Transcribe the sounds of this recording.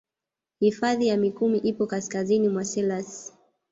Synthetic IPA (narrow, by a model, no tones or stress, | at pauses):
hifaðijamikumiʔipɔkaskazinimwasɛlas